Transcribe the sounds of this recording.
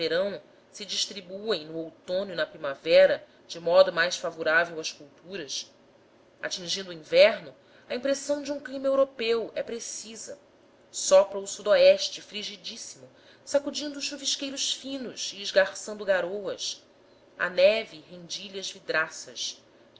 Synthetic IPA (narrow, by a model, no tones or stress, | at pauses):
veɾɐ̃w̃ | sɪd͡ʒiʃt̪ɾibuẽj̃nʊowt̪õnjʊnɐpɾimavɛɾɐ | d͡ʒɪmɔd̪ʊmajsfavoɾavewɐskuwt̪uɾɐs | a̰t͡ʃĩŋʒĩnd̪uĩvɛɾnʊ | ɐĩmpɾesɐ̃w̃d͡ʒɪũklĩmɐewɾopewɛpɾesizɐ̰ | sɔpɾɐʊsud̪oɛʃt͡ʃɪfɾiʒid͡ʒisimʊ | sakud͡ʒĩnd̪ʊːʃʃuviʃkejɾʊʃfĩnʊsiːʒɡaɾsɐ̃nd̪ʊɡaɾowɐs | ɐ̰nɛviɦẽd͡ʒiʎɐzvid̪ɾasɐʃ